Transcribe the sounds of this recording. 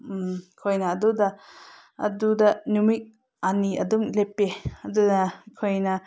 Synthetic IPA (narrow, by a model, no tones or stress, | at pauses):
mkʰojnɐːdudɐ | ɐ̰dudɐnumik̚ | aniɐ̰dumlepeɐdudɐkʰojnɐ